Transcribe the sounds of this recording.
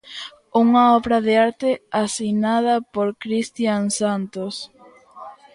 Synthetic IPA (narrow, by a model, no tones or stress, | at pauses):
uŋɐɔβɾɐðeaɾt̪easinað̞ɐpoɾkɾist̪jansant̪os